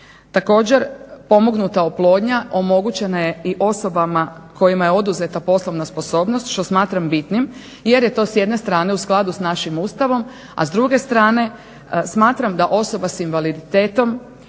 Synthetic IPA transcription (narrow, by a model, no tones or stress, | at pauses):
t̪ako̞ːd͡ʑe̞ɾpo̞mo̞ɡnut̪aoplˠo̞ːd̪ɲaʔo̞mo̞ɡut͡ɕe̞naje̞iʔo̞so̞bamako̞jimajeo̞d̪uze̞t̪apo̞slˠo̞ʋnaspo̞so̞ːbno̞st̪ʃt̪o̞smaːt̪ɾambit̪nim | je̞ɾje̞t̪o̞ːsje̞d̪ne̞st̪ɾaːne̞usklˠad̪usnaʃimuːst̪aʋo̞m | a̰zd̪ɾuɡe̞st̪ɾaːne̞ | smaːt̪ɾamd̪aʔo̞so̞basinʋalid̪it̪eːt̪o̞m